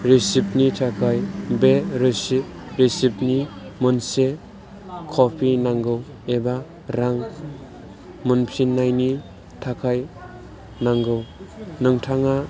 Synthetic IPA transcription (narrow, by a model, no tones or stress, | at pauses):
ɾisip̚nitʰakʰajbeɾisi | ɾisipnimɯnse | kʰɔpʰinaŋɡɯw | eba | ɾaŋ | munpʰinːajni | tʰakʰaj | naŋɡɯwnɯŋtʰaŋa